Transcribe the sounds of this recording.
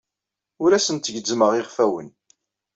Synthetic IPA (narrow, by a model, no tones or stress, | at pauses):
ʊɾæsənt̪əʝd͡zməʁeʁfæwə̰n